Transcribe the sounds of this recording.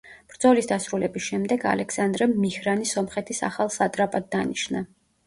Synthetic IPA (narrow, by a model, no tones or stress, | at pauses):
b̥ɾd̪zɔlisd̪asɾulɛbisʃɛmd̪ɛɡa̰lɛksand̪ɾɛmːihɾanisɔmχɛt̪ʰisa̰χalˠsat̪ʼɾapʼad̪̚ːaniʃna